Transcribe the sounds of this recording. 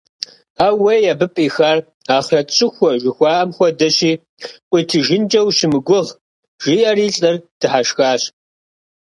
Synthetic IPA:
aːwejabɨpʼiːxaːr | aːχrɐɕʼɪxʷɔʒɪxʷɑːʔɐmxʷɔdɐɕiː | qʷʼiːtʰɨʒɪnd͡ʒʼɐwɕɪmɨɡʷʊʁ | ʒ̥iːʔɐriːɬʼɐrd̥ɨħaʃxaːɕ

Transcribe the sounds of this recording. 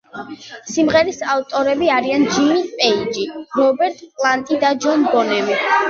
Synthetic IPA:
simʁɛɾisavt̪ʼɔɾɛbiaɾiand͡ʒimispʼɛid͡ʒiɾɔbɛɾt̪ʼpʼlˠant̪ʼid̪ad͡ʒɔnɡɔnɛmi

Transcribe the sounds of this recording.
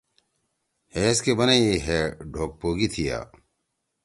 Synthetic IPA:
heːskebɐneiɦeːɖʱoːk̚poːɡit̪ʰija̰ː

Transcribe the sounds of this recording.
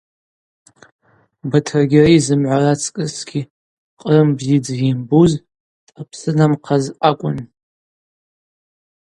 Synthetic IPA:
batʰrɡʲɪraizɨmʕʷarat͡sʰʼkʼɨsɡ̥ʲi | qʼrɨmbzid͡zimbuz | tʼapʰsɨnamqʰazakʷʼʊn

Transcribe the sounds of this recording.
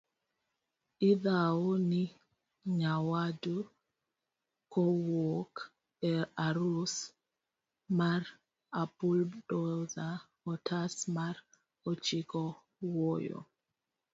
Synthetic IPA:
iðaoni | ɲawadu | kɔwok | ɛaɾus | mar | apuldɔza | ɔtʰasmaɾ | ɔt͡ʃikɔ | wojo̰

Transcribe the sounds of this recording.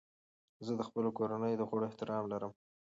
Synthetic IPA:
zəd̪əxpəlokoɾanəjd̪əxoɽoeht̪ɪɾɑmlaɾəm

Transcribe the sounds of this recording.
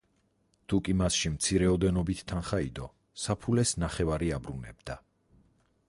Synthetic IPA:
t̪ʰukʼimasʃimt̪sʰiɾɛɔd̪ɛnɔbit̪ʰːanχaid̪ɔ | sapʰulɛsnaχɛvaɾiabɾunɛ̰bd̪̥a

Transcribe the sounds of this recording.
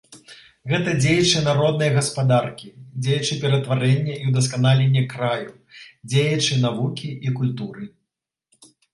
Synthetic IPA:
ɣɛt̪ɐd͡zʲejɐt͡ʂɨnaɾɔd̪̚nɐjɐɣɐspad̪arkʲid͡zʲejɐt͡ʂɨpʲɛɾɐt̪vaɾɛnʲːɐʔiwd̪ɐs̬kanalʲenʲːɛkɾaju | d͡zʲejɐt͡ʂɨnavukʲiikulʲt̪uɾɨ

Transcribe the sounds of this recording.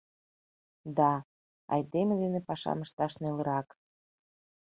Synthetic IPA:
d̪ɑ | ɑ̰jd̪emed̪enepɑʃɑ̰məʃt̪ɑʃnelə̆ɾɑk

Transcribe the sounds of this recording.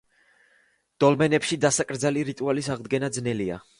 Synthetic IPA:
d̪̥ɔlmɛnɛpʃid̪asakʼɾd̪zaliɾit̪ʼualisaʁd̪ɡɛnad̪znɛlia̰

